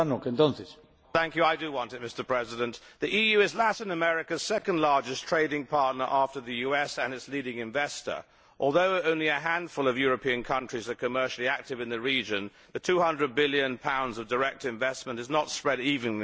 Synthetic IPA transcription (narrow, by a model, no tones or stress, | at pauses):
anɔkə̃ndɔ̃ntis | θæ̃ŋkjʉaɪdɨwɑ̃ntɨt̚mɪstə˞pʰɹ̥ɛzɨɾɨ̃nʔ | ðiʔijʉɨzlæɾɨ̃nəmɛɹɨkɨz̥sɛkɨ̃ndˡlɑɹd͡ʒɨstʰɹ̥eɪɾɪ̃ŋpʰɑɹtⁿnə˞ʔæftə˞ðɨjʉɛsɨ̃nɨtsliɾɪ̃ŋɨ̃ɱvɛstə̰˞ | ʔɔlˠðoʊõʊ̃nliɨɦæ̃nd̥fʊlˠʌvjʊɹɨpʰiɨ̃nkʰʌ̃nt͡ʃɹ̥izə˞kʰɨmɜ˞ʃl̩ˠiæk̚tɨvɨ̃nðɨɹid͡ʒɨ̃n | ðɨtʰʉhʌ̃ndɹɨd̚bɪlˠjɨ̃npʰãʊ̃ndzʌvdə˞ɛk̚tɨ̃ɱvɛsmə̃ntɨznətspɹɛɾivɨ̃ŋ